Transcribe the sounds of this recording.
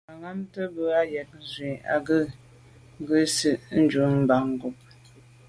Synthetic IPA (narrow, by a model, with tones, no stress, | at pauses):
a˨ŋa˦mtə˦bə˦a˦jɛ˨t̚n̩˦zwi˨a̰˨ɡə˦˨ | ŋ˦ɡə˦sɨ˦ʔn̩˦d͡ʒu˨˦ŋm̩˦ba˨ŋ̩˦ɡo˨p̚